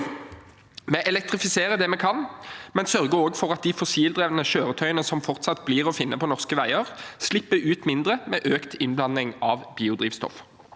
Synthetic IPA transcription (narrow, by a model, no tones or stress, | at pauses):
meːʔɛlɛk̚t̪ʁɪfɪseːʁəd̪ɛːmɛːkʰɑnmɛnsœʁɡəoːɡfɔʁɑt̪̚d̪ifɔsiːld̪ʁɛːʋənəʃøːʁət̪ʰœʏənəsɔmfɔʁt̪sɑt̪bliːʁɔfɪnːʔəpʰɔnɔʁskəʋæɪəʁslɪpːəʉːt̪mɪnd̪ʁəmeːʔøːkt̪ʰɪnblɑnːɪŋɑʋbiːʊd̪ʁiːʋst̪ɔ̰f